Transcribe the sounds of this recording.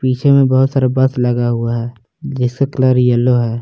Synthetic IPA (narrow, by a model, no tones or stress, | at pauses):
piːt͡ʃʰemẽbəɦʊt̪saɾabəsləɡaɦuaɦɛː | d͡ʒɪskekləɾjəlːoɦɛː